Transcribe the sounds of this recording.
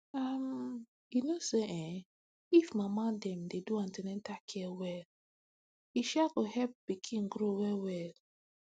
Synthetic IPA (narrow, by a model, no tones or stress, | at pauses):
am | junoseʔɛ̃ | ifmamadɛ̃mdeduãntɛnɛ̃ntakʰɛwɛl | iʃaɡohɛlp̚bikʰĩnɡɾowɛwɛl